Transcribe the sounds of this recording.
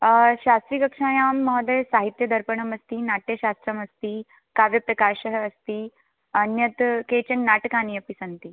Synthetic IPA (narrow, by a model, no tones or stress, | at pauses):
ɕast̪ɾiːkɐkʂaːjaːmːɔɦd̪ɐjsaɦit̪jɐd̪ʱɐɾpəɳəmɐst̪iːnaʈjəɕast̪ɾəmɐst̪iː | kaːʋjɐpɾɐkaːɕəɦːst̪i | ɐnjɐt̪ket͡ɕɐnnaʈkaːnijɐpisɐnt̪i